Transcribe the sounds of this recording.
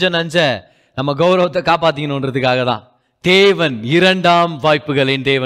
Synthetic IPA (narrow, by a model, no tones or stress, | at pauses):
d͡ʒɐ̃nɐɲd͡ʒɐ | nɐmːɐɡɐʊɾɐʋɐt̪ːɐkaːp̬aːt̪ːɯŋːɐnʊ̃ɐnɾɐðɯkːaːɣɐt̪ã̰ː | d̪̥eːʋɐnɪɾɐɳɖaːmʋaːjpːɯɣɐɭɪnd̪eːʋɐ